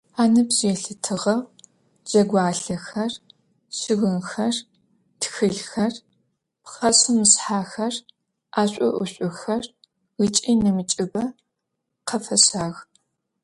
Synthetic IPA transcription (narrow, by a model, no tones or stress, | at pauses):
aːnɐbz̥ɛɬɨtʰɨʁɐw | d͡ʒɐɡʷaːɬɐxɐr | ɕɪɣɨnxɐr | txɨɮxɐr | pχɐsɨmɨsħaːxɐr | ʔaːɕʷʼɔ̰ʔʷʊɕʷʼʊxɐr | ɣɨt͡ʃʼiːnɐmɨt͡ʃʼɪbɐ | qʰɐfɐsaːɣ